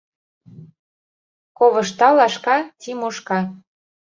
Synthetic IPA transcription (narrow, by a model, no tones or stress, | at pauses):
koβɤʃt̪ɑlɑʃkɑt̪ʲimoʃkɑ